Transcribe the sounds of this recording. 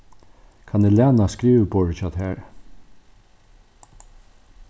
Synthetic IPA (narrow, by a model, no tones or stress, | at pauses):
kʰɑnɛlɛːnaskɾiːʋbɔɹt͡ʃat̪hɛːɹ